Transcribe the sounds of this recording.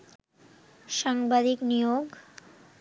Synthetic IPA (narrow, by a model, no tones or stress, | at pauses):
ʃaŋbad̪iknijoɡ